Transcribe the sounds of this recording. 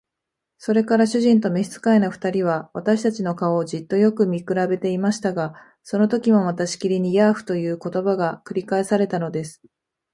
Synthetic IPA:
so̞ɾe̞kaɾaɕɨʑĩnt̪o̞meɕi̥t͡sɨ̥kaenaɸɯ̟̥t̪aɾʲiβ̞aβat̪aɕi̥t̪at͡ɕino̞kaoːd͡ʑit̪ːo̞jo̞kɯ̟mʲikɯ̟ɾabe̞t̪e̞imaɕi̥t̪aɡa | so̞no̞t̪o̞kʲimo̞mat̪aɕi̥kʲiɾʲiɲ̟ijaɸɯ̟̥t̪o̞jɯ̟ːko̞t̪o̞baɡakɯ̟ɾʲikae̞saɾe̞t̪ano̞d̪e̞sɨ̥

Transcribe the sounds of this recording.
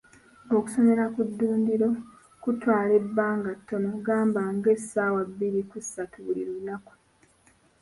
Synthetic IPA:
o̞ku̥so̞me̞ɾakudːuːndiɾo̞ | kutwaːle̞bːaːŋɡatːo̞noɡaːmbaŋɡe̞saːwabːiɾikusatuβulḭɾunaku̥

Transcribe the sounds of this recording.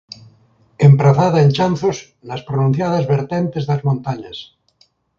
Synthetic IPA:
empɾaθaðaent͡ʃanθos | nɐspɾonũn̟θjað̞ɐzβeɾt̪ent̪ezðɐzmõnt̪aɲɐs

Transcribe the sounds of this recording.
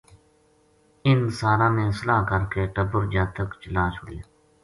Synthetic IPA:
ɪnsaːɾãːnẽːsəlaːkəɾkeːʈəbəɾd͡ʒaːt̪əkt͡ʃəlãːt͡ʃʰʊɽe

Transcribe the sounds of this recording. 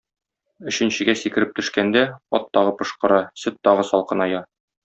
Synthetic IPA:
ɵ̆ɕɘ̆nɕɘ̆ɡæsikɘ̆ɾɘp̚t̪ɵ̆ʃkænd̪æɒ̰t̪ːɒʁɤpɤ̆ʃqɤ̆ɾɑsɘt̪ːɒʁɤsɒlˠqɤ̆nɒjɑ

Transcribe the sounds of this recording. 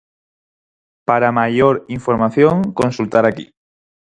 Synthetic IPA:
paɾamaʝoɾiɱfoɾmaθjoŋkonsult̪aɾakḭ

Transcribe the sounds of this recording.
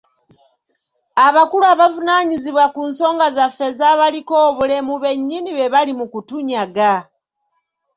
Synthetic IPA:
aβakuluaβavunaɲiziβwakunso̞ːŋɡazafːe̞zaβaliko̞ːβule̞muβe̞ɲːiniβe̞βalimukutuɲaɡa

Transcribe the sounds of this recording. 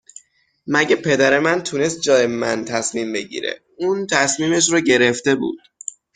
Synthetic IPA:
mæɟepʰe̞d̪æɾe̞mænt̪ʰune̞st̪̚d͡ʒɒːjemænt̪ʰæsmiːmbe̞ɟḭːɾḛ | uːnt̪ʰæsmiːme̞ʃ̬ɾoɟe̞ɾeft̪e̞bṵːd̪̥

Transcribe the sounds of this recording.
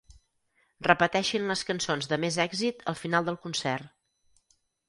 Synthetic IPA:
rəpət̪ɛʃinləskənsonzðəmezɛɡzit̪əlˠfinalˠd̪əlˠkunsɛrt̪

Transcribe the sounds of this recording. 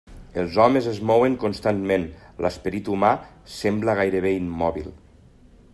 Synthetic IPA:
əlˠzɔmezezmɔweŋkonst̪anmenlʔəspəɾit̪uma | sɛmbləɣajɾəβeimːɔβḭlˠ

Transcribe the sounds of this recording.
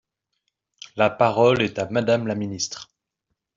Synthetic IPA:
lapaʁɔlɛt̪amad̪amlaminist̪χ

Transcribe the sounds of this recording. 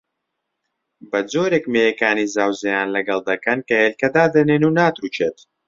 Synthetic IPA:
bɐd͡zoːɾeːkmeːjɛkaːniːzaːwzɐjaːnlɐɡɐlˠd̪ɐkɐnkɐheːlkɐd̪aːd̪ɐneːnunaːt̪ɾuːt͡ʃʰeːt̪

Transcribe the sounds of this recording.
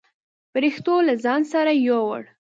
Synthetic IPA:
bəɾixt̪olazɑnsaɾajowə̰ɽ

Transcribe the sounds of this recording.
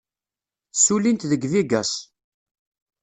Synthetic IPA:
sulint̪ðəɡðiɡæs

